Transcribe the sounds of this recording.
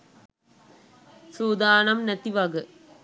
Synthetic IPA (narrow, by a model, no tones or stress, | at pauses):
suːd̪aːnɐmnɐt̪ːiʋɐɡɯ